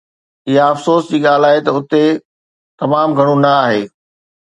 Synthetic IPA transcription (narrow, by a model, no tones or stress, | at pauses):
ɪɦaɐfsoːsd͡ʑiːɠaːl̤aːɦet̪ɐʊt̪e | t̪ɐmaːmɡʱɐɽ̃ũnɐaːɦḛː